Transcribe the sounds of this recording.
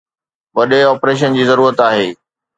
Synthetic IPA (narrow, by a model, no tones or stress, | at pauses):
ʋɐɗeɔːpɾeːʃ̬ənd͡ʑiːzɐɾuːɾət̪aːɦeː